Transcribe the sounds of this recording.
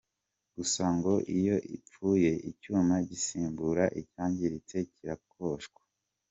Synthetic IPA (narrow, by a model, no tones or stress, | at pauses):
ɡ̥usaŋɡo̞ʔijo̞ʔip͡fuːje̞icuːmaɟisiːmbuɾaʔicaːɲɟiɾit͡se̞ciɾakʰo̞ʃɡwḁ